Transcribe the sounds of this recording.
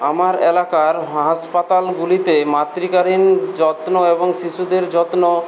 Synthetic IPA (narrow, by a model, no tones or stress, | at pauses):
amaɾelakaɾɦaspat̪alɡulit̪emat̪ɾikaɾind͡ʑɔt̪noeboŋʃiʃud̪eɾd͡ʑɔt̪no